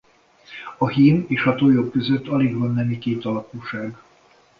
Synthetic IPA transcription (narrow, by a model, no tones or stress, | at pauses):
ɒhimeːʃɒt̪oːjo̞kkːø̞zøt̪ːɒliɡʋɒnːɛmikeːt̪ɒlɒkuːʃaːɡ